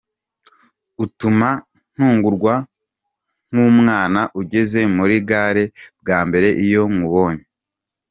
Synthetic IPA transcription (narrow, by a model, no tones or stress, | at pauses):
utuma | n̥huːŋɡuɾɡwa | ŋ̥umŋaːnaʔuɟe̞ze̞muɾiɡaːɾe̞b̚ɡaːmbe̞ɾe̞ʔijo̞muβo̞ːɲe